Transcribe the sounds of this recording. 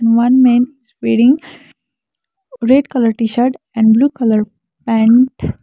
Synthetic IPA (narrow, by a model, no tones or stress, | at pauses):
nʋʌ̃nmẽːnɪzpeɖĩŋɡ | ɾeɖkʌləɾʈiʃəɾʈ | ɛ̃ɳɖbluːkʌləɾ | pæ̃ɳʈ